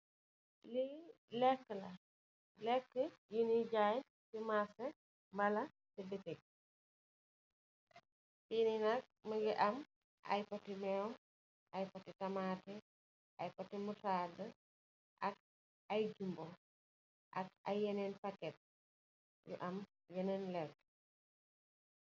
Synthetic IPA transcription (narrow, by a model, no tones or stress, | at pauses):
li | lɛkːəlɐ | lɛkːəjiniɟaːj | timasɛ | mɐlɐ | tibitɛk̚ | tininɐk̚mɐɡiʔɐm | ʔɐ̰jpɐtimɛm | ʔɐjpɐtitɐmaːtɛ | ʔɐjpɐtimutaːdɐ | ʔɐk̚ | ɐjd͡ʒumbo | ʔɐk̚ɐ̰jːɛnɛnpɐkːɛt̚ | jṵʔɐm | jɛnɛːnlɛkːə̥